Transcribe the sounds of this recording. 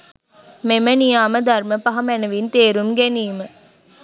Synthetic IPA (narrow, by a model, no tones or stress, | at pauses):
memənijaːməd̪ɐrməpɐɦɐmænɐʋint̪eːɾumɡeniːmə